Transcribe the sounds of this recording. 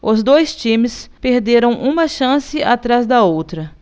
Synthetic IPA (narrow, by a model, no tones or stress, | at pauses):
ʊzd̪ojst͡ʃĩmɪspeɾd̪eɾɐ̃w̃ʔũmɐʃɐ̃sɪat̪ɾazd̪ɐowt̪ɾɐ